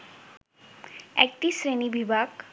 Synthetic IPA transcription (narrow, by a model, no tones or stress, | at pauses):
ɛ̰k̚t̪isɾenibibʱak